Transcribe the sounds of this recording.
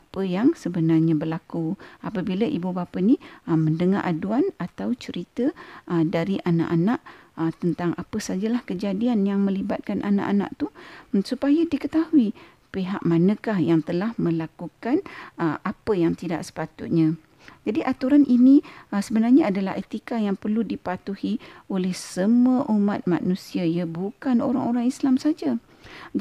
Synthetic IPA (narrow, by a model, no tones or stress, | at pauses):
apəjaŋsəbənarɲabərlakuapəbilaʔibubapəniəməndəŋa̰rʔa̰duanat̪awt͡ʃəɾit̪əədaɾiʔana̰ʔanaʔət̪ənt̪aŋʔapəsad͡ʒalahkəd͡ʒadianjaŋmə̃libat̪̚kanʔa̰na̰ʔana̰ʔt̪usupajadikət̪ahui | peɦaʔmanə̃kahjaŋt̪əlahmə̃lakukanəapəjaŋt̪ida̰ʔsə̥pat̪ʊ̰t̪̚ɲã | d͡ʒadiʔat̪uɾanʔiniəsəbənarɲaadala̰ɦet̪ikajaŋpərludipat̪uhiolɛhsəmuəʔumat̪̚ma̰nũsiajabukanoɾa̰ŋoɾaŋislamsad͡ʒa | d͡ʒ